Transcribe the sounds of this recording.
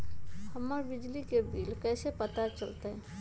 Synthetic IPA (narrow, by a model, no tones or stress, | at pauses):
hɐmːəɾbɪd͡ʒlikebiːlkɛːsepɐt̪at͡ʃəlt̪eɦɛ̃ː